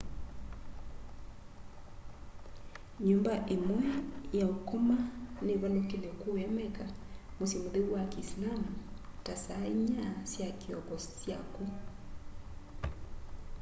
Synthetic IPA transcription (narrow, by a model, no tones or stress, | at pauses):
ɲombaʔemwɛjaokomaneβalokelɛkoːɛmɛkamosjemoðewwakiːslamutasaeɲasjakiɔkɔsja̰ku